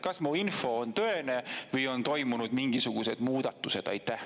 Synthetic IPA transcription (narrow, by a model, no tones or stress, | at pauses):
kɑsmuinfo̞ont̪ø̞enevɤjo̞nt̪o̞jmunud̪̥miŋɡ̥isuɡ̥use̞d̪muːd̪̥ɑt̪ːˑuse̞d̪̥ɑ̰jt̪ːˑæh